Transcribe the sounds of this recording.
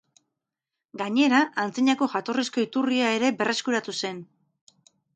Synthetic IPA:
ɡaɲe̞ɾaʔːnt͡siɲako̞ʝat̪o̞risko̞it̪uriae̞ɾe̞be̞rʔe̞skuɾat̪use̞n

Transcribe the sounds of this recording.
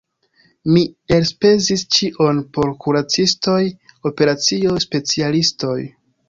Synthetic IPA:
mie̞lspe̞zist͡ʃiʔo̞npo̞ɾkʰuɾat͡sisto̞jo̞pe̞ɾat͡sio̞spe̞t͡sialisto̞j

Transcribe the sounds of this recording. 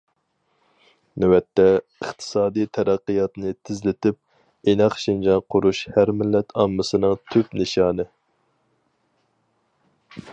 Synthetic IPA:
nɛwɛt̪ʰːɛ | əχt̪ʰɨ̥sɑːd̪ijt̪ʰɛɾæqːijɑt̪nɨt̪ʰɪzlɪt̪ɪp̚ | enɑqʃind͡ʒɑnqʰʊɾuʃhæɾmɪlːɛt̪ʰɑmːɨsɨnɨŋt̪ʰypnɪʃɑːnɨ

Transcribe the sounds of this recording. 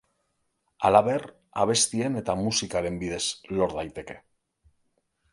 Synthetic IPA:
alaβe̞r | aβ̞e̞st̪ie̞ne̞t̪amusikaɾe̞mbið̞e̞zlo̞ɾðajt̪e̞ke̞̥

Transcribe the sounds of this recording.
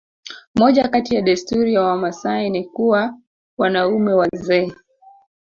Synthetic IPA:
mɔʄakatijaɗastuɾijawamasainikuwa | wanaumɛwazɛː

